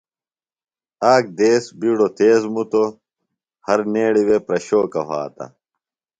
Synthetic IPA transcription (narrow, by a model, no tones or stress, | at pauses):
aːk̚d̪eːsbiːɽot̪eːzmut̪o | hɐɾneːɽiwepɾɐɕoːkɐ̰ɦa̰ːt̪ɐ̰